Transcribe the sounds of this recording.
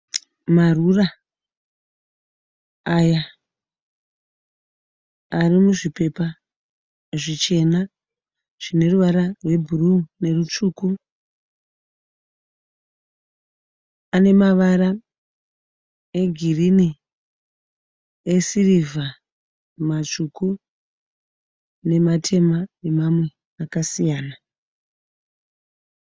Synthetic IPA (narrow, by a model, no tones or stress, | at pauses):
marura | ja | arimuʐipe̞pa | ʐit͡ʃe̞na | ʐ̥ine̞ruʋaɾarwe̞bʱurune̞rut͡ʂuːku | ane̞maʋaɾa | eɡʱirini | esiriva | mat͡ʂuku | ne̞matʰe̞mane̞mamwe̞ | akasijaːna